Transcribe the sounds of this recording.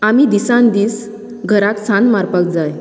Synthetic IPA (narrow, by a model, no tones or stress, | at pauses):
amid̪isãnd̪iːs | ɡʱəɾaksanmaɾpak̚d͡zaj